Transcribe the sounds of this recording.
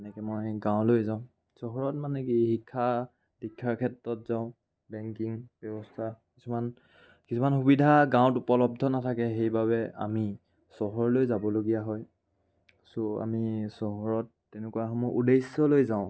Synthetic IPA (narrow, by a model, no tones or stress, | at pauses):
ɛnɛkɛmojɡãʊ̃lojzaʊ̃ | sɔɦɔɹɔtmanɛkihikʰːa | dikʰːaɹkʰɛtɹɔtzaʊ̃ | bɛŋkiŋbjɔbɔstʰakisuman | kisʰumanxubidʱaɡãʊ̃t̬upɔlɔb̚dʱɔnatʰakɛxejbabɛa̰mi | sɔɦɔɹlojzabɔloɡijaɦɔj | soa̰misɔɦɔɹɔtːɛnɛkuaxɔmɔʔudesːɔlojzaʊ̃